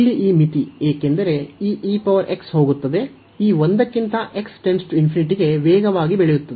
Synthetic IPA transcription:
ɭːiʔiːmit̪ieːke̞nd̪ɐɾe̞iːʔiːpɐʋɐɾʔe̞ksho̞ːɡut̪ːɐd̪e̞ | iːʋond̪ɐkːint̪ɐʔe̞ksʈe̞nsʈuinpʰiniʈ̬iɡe̞ʋɛːɡɐʋaːɡibeɭɛjut̪ːɐd̪e

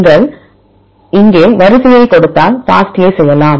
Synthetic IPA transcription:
ŋɡɐɭ | ɪŋɡeːʋɐɾɯsɪjɐɪkːɔɽɯt̪ːaːlfa̰ːsʈjeɪsɛjːɐlaːm

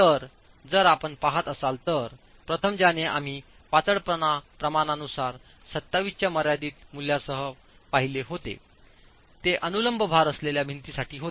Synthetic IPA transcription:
t̪əɾ | d͡zəɾapəɳpaɦat̪əsalt̪əɾ | pɾət̪ʰəmd͡ʑaneʔa̰m̤iː | pat͡s̪əɽpəɳapɾəmaɳanusaɾ | sət̪ːaʋist͡ɕjaməɾjad̪iːt̪mul̤jasəɦə | paɦileɦot̪ḛ | t̪eʔənuləmbʱəbʱaɾəsleljabʱint̪iːsaʈiːɦot̪e

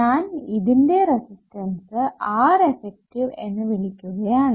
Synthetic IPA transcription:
ɲaːniðinde̞ɾesistɐnsɨaːɾefek̚ʈiʋe̞nːɨʋilikʲːuɣɐjaːɳɨ

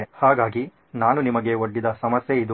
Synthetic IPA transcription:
haːɡaːɡi | naːnunimɐɡe̞oɖːid̪ɐsɐmɐsjeid̪u

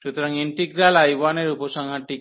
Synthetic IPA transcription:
ɾut̪uɾaŋiɳʈiɡɾalajʋaneɾuposaŋɦãʈik

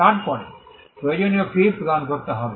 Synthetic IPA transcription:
aʈpɔɽe | pɾojod͡ʑoniokipoɡankoɾt̪eɦɔbe

